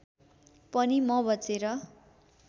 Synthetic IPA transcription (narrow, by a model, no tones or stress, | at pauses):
pʌnimʌbʌt͡seɾʌ